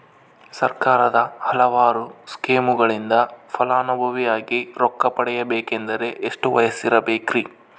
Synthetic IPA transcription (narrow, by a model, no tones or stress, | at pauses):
sɐ̰ɾkaːɾɐd̪ɐhɐlɐʋaːɾuskeːmuɡɐɭind̪ɐpʰɐlaːnubʱɐʋijaːɡiɾɔkːɐpɐɽɛjɐbeːkend̪ɐɾe̞ʔeʂʈuʋɐjɐsiɾɐbeːkɾi